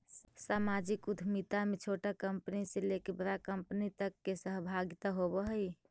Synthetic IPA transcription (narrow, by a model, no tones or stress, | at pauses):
samad͡ʒikud̪ʱmit̪amet͡ʃʰoʈakəmpniselekʰebɾakəmpnit̪əkːesəɦbʱaɡit̪aɦobəɦəj